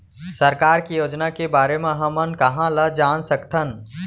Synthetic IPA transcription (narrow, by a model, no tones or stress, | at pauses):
sɐɾkaːɾkijoːd͡ʒnakebaːɾemẽɦɐmənkɐɦãlɐd͡ʒaːnsɐkt̪ʰən